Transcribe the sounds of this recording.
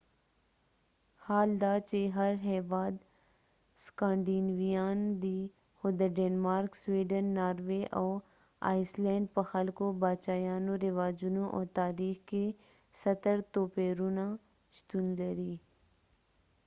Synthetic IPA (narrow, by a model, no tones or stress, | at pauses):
haːld̪aːt͡ʃeɦɐɾɦɛːʋaːd̪ | skãːɳɖiːnʋijaːnd̪i | hʊd̪əɾɖeːnmaːɾksʋiːɖənːaːɾʋeʔɔː | a̰ːɪslɛ̃ːɳɖ̚pɐxəlkobaːt͡ʃaːjaːnõɾɪʋaːd͡ʒunõʔɔ̰ːɾt̪aːɾiːxke | sɐt̪əɾt̪oːpeːɾuna | ʃt̪unləɾiː